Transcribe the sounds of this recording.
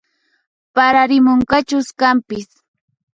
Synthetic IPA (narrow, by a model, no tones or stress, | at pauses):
paɾaɾɪmʊɴkat͡ʃʊskampɪs